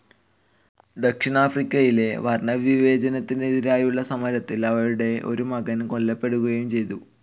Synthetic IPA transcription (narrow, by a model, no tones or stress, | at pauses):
d̪ɐkʂiɳaːfrikʲːɐjile̞ʋɐrɳɐʋiʋe̞ːd͡ʑɐnɐt̪ːindeːðiɾaːjuɭːɐsɐmɐɾɐt̪ːilɐʋɐɾuɽe̞ʔo̞̰ɾumɐɣɐnko̞lːɐpːe̞ɽuɣɐjumt͡ɕe̞jt̪u